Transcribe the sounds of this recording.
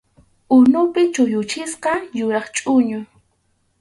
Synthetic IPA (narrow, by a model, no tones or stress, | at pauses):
ʊnʊpɪt͡ʃʊjʊt͡ʃɪsqɑjʊɾɑχt͡ʃʼʊɲʊ